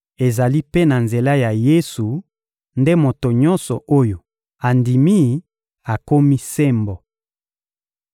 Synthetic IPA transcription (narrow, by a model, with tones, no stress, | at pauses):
e˨za˨li˦pe˦na˨nze˨la˦ja˨je˦su˨ | nde˦mo˨to˨ɲɔ̃˦nsɔ˨o˦jo˨ | a˨ndi˨mi˦˨ | a˨ko˦mi˦se˦mbɔ˨